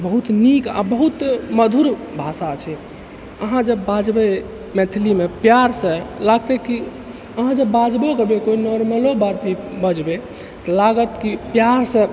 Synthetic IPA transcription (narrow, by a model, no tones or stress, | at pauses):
bəɦut̪nika̰bəɦut̪məd̪ʱuɾbʱasat͡ʃʰɛ | əɦãd͡ʒəbːad͡ʒbe | mɛt̪ʰilimepjaɾsə̃laɡt̪eki | əɦãd͡ʒəbbad͡ʒbokəbekoinɔɾməlobaɾpibəd͡ʒbe | t̪əlaɡət̪kipjaɾsə̃